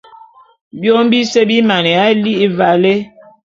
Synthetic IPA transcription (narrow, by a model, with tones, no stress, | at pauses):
bjo˦m˦bi˦se˦bi˦ma˨nɛ˨a˦li˦i˦va˨le˦